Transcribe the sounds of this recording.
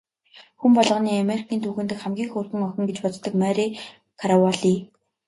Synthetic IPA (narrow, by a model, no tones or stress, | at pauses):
xumpɔɮʁə̆niːameɾikʰiːnt̪ʰuxɘ̆nt̪ɘ̆kχæmɡʲiːŋxurxɘ̆ŋɔxʲɪ̆ŋɡet͡ɕpɔt͡st̪ːɞ̆kmæɾi | kʰaɾawaɮiː